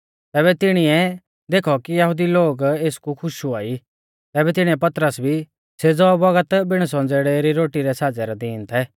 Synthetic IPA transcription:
t̪ɛːbɛt̪ɪɽ̃iɛ | d̪eːkʰɔkijəɦud̪iloːɡeːskukʰʊʃuaːi | t̪ɛːbɛt̪ɪɽ̃ĩɛpɐt̪ɾəsbʱi | sed͡zɔbɐɡət̪bɪɽ̃sɔ̃nd͡zeːɽeɾiɾoːʈiɾɛsaːd͡zɛɾɔd̪iːnt̪ʰɛ

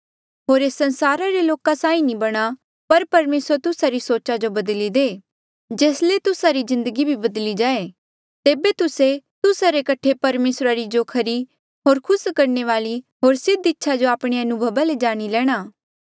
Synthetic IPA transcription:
ɦoːɾeːsːɐ̃nsaːɾaɾeloːkasãːĩnĩbɐɽ̃a | pɐɾpɐɾmeːsɾt̪ʊsaɾisoːt͡ʃad͡ʒobɐd̪lid̪eː | d͡ʒeːslet̪ʊsaɾizɪ̃nd̪əɡibʱibɐd̪lid͡ʒaːe | t̪eːbet̪ʊset̪ʊsaɾekɐʈʰepɐɾmeːsɾaɾid͡ʒokʰɐɾi | ɦoːɾkʰʊskɐɾɳeʋaːliɦoːɾsɪd̪ɪtːʃʰad͡ʒoaːpɽ̃eɐnʊbʱəʋaled͡ʒaːɽ̃ilɛːɽ̃aː

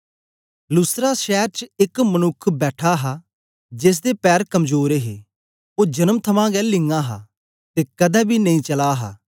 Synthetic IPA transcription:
lʊsɾaːʃɛːɾt͡ʃɪkmənʊkʰbɛːʈʰaːɦaː | d͡ʒes̬d̪eːpɛːɾkəmd͡ʒoːɾeɦeː | oːd͡ʒənəmt̪ʰəmãːɡɛːlɪŋɡãːɦa̰ː | t̪eːkɐd̪ɛːbʱiːnɐĩːt͡ʃəlaːɦa̰ː

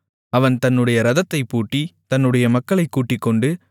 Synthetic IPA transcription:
ɐʋɐnt̪ɐnːɯɽɐjɐɾɐðɐt̪ːɐɪpːuːʈːit̪ɐnːɯɽɐjɐmɐkːɐɭɐɪkːuːʈːɪkːɔɳɖɯ

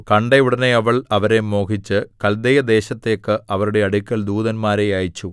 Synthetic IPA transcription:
kɐɳɖeuɽɐneɐʋɐɭɐʋɐɾe̞mo̞ːkʰit͡ɕːɨkɐld̪ejɐd̪e̞ːɕɐt̪ːeːkːɨʔɐʋɐɾuɽe̞ɐɽikʲːɐld̪uːðɐnmaːɾejaːjit͡ɕːu

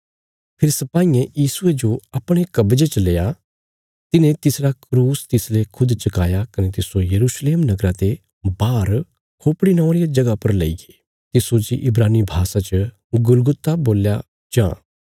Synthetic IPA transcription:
pʰɪɾsɐpaːiẽjiːsʊed͡ʒoɐpɽ̃ekɐbd͡ʒet͡ʃɐleːja | t̪ɪnẽt̪ɪsɾakɾuːst̪ɪslekʰʊd̪t͡ʃɐkaːjakɐnet̪ɪsojɐɾuːʃleːmnɐɡɾãt̪e | baːɾ | kʰoːpɽinãːʊ̃ɾijad͡ʒɐɡapɐɾleiɡe | t̪ɪsod͡ʒiʔɪbɾaːnibʱaːsat͡ʃə | ɡʊlɡʊt̪ːaboːlja | d͡ʒã̰ː

